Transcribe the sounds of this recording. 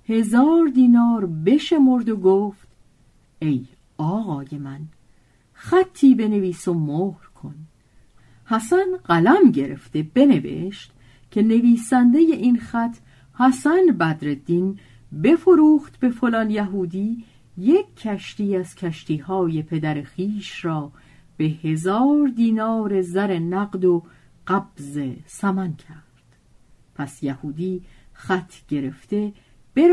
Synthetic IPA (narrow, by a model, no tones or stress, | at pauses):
he̞zɒːɾd̪iːnɒːɾbe̞ʃe̞mo̞ɾd̪oɡoːft̪ | e̞j | ɒːɣɒːje̞mæn | xæt̪ʰːiːbe̞ne̞viːsomohɾkʰo̞n | hæsænɢælæmɟe̞ɾe̞̰ft̪e̞b̥e̞ne̞ve̞̰ʃt̪ | cʰe̞ne̞viːsænd̪e̞je̞ʔinxæt̪ʰ | hæsænbæd̪ɾe̞d̪in | be̞foɾuːχt̪be̞fo̞lɒːnjæɦuːd̪iː | jekʰːæʃt̪iːæz̥cʰæʃt̪iːhɒːje̞pʰe̞d̪æɾexiːʃɾɒː | b̥e̞he̞zɒːɾd̪iːnɒːɾe̞zæɾe̞næɡd̪o | ɢæb̥zesæmæncʰæɾd̪̥ | pʰæsjæhuːd̪iːxæt̪ʰɟ̥e̞ɾe̞ft̪e̞ | b̥e